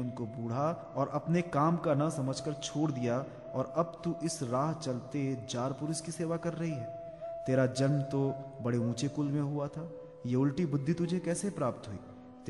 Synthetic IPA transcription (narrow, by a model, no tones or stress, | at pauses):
ʊnkobuːɽ̤a | ɔːɾʔɐpnekaːmkanɐsɐməd͡ʒʱkəɾt͡ʃʰoːɽd̪ija | ɔːɾɐb̚t̪uʔɪsɾaːɦt͡ʃɐlt̪eɦd͡ʒaːɾpʊɾɪskiseːʋakɐɾːɐɦiɦɛː | t̪eːɾad͡ʒɐnmt̪obɐɽeũːt͡ʃekʊlmẽɦʊat̪ʰaː | jeʊlʈibʊd̪ʱːit̪ʊd͡ʒʱekɛːsepɾaːp̚t̪ɦʊḭː | t̪